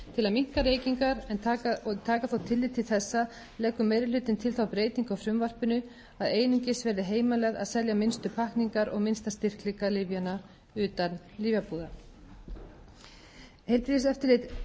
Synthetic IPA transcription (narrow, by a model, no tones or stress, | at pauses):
t̪ʰɪlaðmiŋ̥kaɾeːjciŋkaɾɛnːt̪ʰaːkaθawt̪ʰɪlːɪt̪ʰɪlθɛsːa | lɛːkʏmejɾɪlʏːt̪ɪnt̪ʰɪlθawpɾeːjt̪iŋkawfɾʏmvar̥pʏnʏ | aðeːjniɲcɪsvɛːɾðɪɦeːjmalɛɣða̰ðsɛljamɪnst̪ʏpʰahkniŋkaɾɔɣmɪnst̪ast̪ɪr̥klikalɪvjana | ʏːt̪an | liːvjapuːða | hejlp̪ɪɪs̬ɛft̪ʏɾlɪt̪